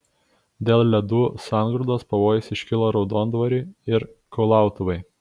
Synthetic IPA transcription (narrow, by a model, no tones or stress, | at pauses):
d̪ʲeːlˠlʲɛd̪uːsɑˑnɡɾʊd̪oːspɐʋoːjɛsʲɪʃʲkʲɪlˠoːɾɒʊd̪oːnd̪ʋɐɾʲuːɪɾkɐʊlˠɑˑʊt̪ʊʋɐɪ